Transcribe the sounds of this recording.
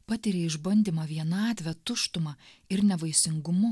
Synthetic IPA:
pɑːt̪ʲɪɾʲeɪʒbɐnʲd̪ʲimɑːʋʲiɛnɑːt̪ʲʋʲɛt̪ʊʃt̪ʊmɑɪɾnʲɛʋɐɪsʲɪŋɡʊmʊ

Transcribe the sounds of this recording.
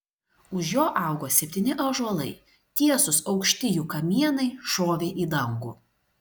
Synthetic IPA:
ʊʃjoːʔɑˑʊɡoːsʲɛpʲt̪ʲiːnʲɪʔɐʒɔlˠɐɪ | t̪ʲiɛsʊsɒʊkʃʲt̪ʲɪjuːkɐmʲiɛnɐɪʃoːʋʲeːʔiːd̪ɐŋɡṵː

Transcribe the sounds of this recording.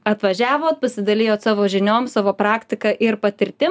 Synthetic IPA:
ɐt̪ʋɐʒʲæːʋoːt̪̚pɐsʲɪd̪ɐlʲɪjoːt̪sɑːʋoːʒʲɪnʲoːmsɑːʋoːpɾɑːkt̪ʲɪkɐʔɪɾpɐt̪ʲɪɾʲt̪ʲɪ

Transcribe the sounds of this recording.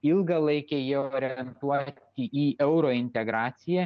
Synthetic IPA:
ɪlˠɡɐlˠɐɪkʲejiɛoːɾʲɛɛnt̪uɔt̪ʲɪiːʔɛʊɾoːɪnʲt̪ʲɛɡɾɑːt̪sʲɪjæ

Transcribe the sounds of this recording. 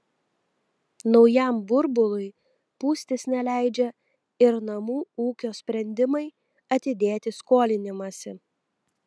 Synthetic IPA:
nɒʊjɛˑmbʊɾbʊlˠʊɪ | puːsʲt̪ʲɪsnʲɛlʲæˑɪd͡ʒʲɛ | ɪɾnɐmuːuːkʲoːsʲpʲɾʲɛnʲd̪ʲɪmɐɪ | ɐt̪ʲɪd̪ʲeːt̪ʲɪskoːlʲɪnʲɪmɐsʲɪ

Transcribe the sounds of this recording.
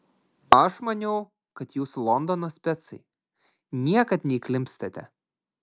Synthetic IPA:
ɐʃmɐnʲɛʊ | kɐt̪juːslˠɔnd̪ɔnoːsʲpʲɛt̪sɐɪ | nʲiɛkɐt̪nʲɛiklʲɪmʲpʲst̪ɐt̪ʲɛ̰

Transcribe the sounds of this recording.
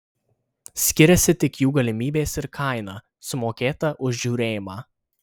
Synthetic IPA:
sʲkʲɪɾʲɛsʲɪt̪ʲɪkjuːɡɐlʲɪmʲiːbʲeːsɪɾkʰɐˑɪnɑ | sʊmoːkʲeːt̪ɐʔʊʒʲʒʲuːɾʲeːjɪmɑː

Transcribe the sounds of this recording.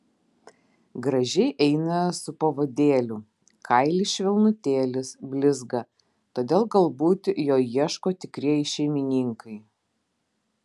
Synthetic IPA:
ɡɾɐʒʲɛɪʔɛɪnɐsʊpɐʋoːd̪ʲeːlʲʊ | kʰɐɪlʲɪʃʲʋʲɛlˠnʊt̪ʲeːlʲɪsbʲlʲɪzɡɐ | t̪oːd̪ʲeːlˠɡɐlˠbuːt̪ʲjoːjiɛʃkoːt̪ʲɪkɾʲiɛjɪʃʲɛɪmʲɪnʲiːˑŋkʰɐɪ

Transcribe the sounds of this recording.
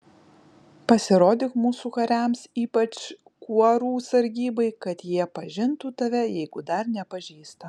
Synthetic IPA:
pɐsʲɪɾoːd̪ʲɪkmuːsuːkɐɾʲæˑmsiːpɐt͡ʃ | kuɔɾuːsɐɾʲɡʲiːbɐɪkɐt̪jiɛpɐʒʲɪnt̪uːt̪ɐʋʲɛjɛɪɡʊd̪ɐɾnʲɛpɐʒʲiːst̪ɐ

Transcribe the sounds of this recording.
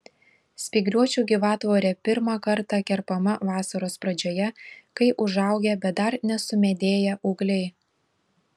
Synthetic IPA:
sʲpʲiːɡɾʲuɔt͡ʃʲuːɡʲiʋɑːt̪ʋoːɾʲɛpʲɪɾmɑkɐɾt̪ɑːkʲɛɾpɐmɐʋɑːsɐɾoːspɾɐd͡ʒʲoːjɛkɐɪʔʊʒɐˑʊɡʲɛbʲɛt̪̚d̪ɐɾnʲɛsʊmʲɛd̪ʲeːjɛʔʊːɡlʲɛɪ

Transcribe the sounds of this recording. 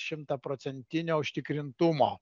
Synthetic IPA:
ʃʲɪmt̪ɐpɾoːt̪sʲɛnʲt̪ʲɪnʲoːʊʃʲt̪ʲɪkɾʲɪnt̪ʊmoː

